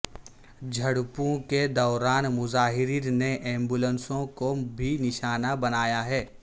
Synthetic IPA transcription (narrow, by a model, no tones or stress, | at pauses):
d͡ʒʱɐɽpõked̪ɔːɾaːnmʊzaːɦɪɾiːɾneʔɛ̃ːmbʊlənsõkobʱinɪʃaːnabɐnaːjaɦɛː